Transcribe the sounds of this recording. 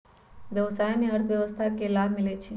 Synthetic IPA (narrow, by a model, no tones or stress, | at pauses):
ʋjəʋsaːjmẽəɾt̪ʰʋjəʋəst̪ʰakelaːbʱmɪlet͡ʃʰi